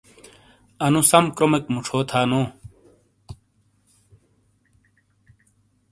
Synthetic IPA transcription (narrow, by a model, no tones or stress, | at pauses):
ɐnusɐmkɾomekmuʈ͡ʂʰoːt̪ʰaːnoː